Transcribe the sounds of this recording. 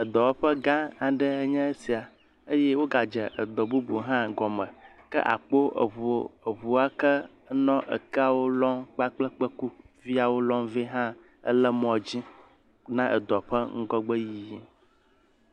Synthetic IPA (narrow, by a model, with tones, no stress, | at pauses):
ə˨d̪ɔ˨wɸə˦ɡã˦a˨ɖə˦ə˦ɲɛ̃˦e˦si˨a˨ | ə˦jɛ˦wo˦ɡa˨d͡ʒɛ˨ʔə˨d̪ɔ˨bu˦bu˨ɦã˦ɡɔ˨mə̃˨ | kə̰˦ʔa̰˨k͡po˦ə̰˨ɦu˨˦ə˨ɦu˨a˦kə˦ | nɔ̃˦ʔə̰˨ka˦wo˦lɔ˦mk͡pa˦k͡plɛ˦k͡pə˦ku˦ | vi˦a˨wo˦lɔ˦mvi˦ɦã˦ | ə̰˦lə˦mɔ̃˨d͡ʑi˦ | nã˦ʔə˨d̪ɔ˨ɸə˦ŋ̩˦ɡɔ˦ɡ͡bə˦ji˨ji˦